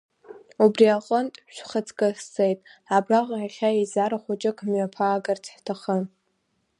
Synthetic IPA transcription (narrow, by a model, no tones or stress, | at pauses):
ubriaqʷʼəntʼʃʷχət͡sʰʼkʼast͡sejtʼabraʁʷʼʲaχʲaizaɾaχʷʊt͡ʃʼɪkʰmɥapʰaːɡart͡sʰħtʰaχə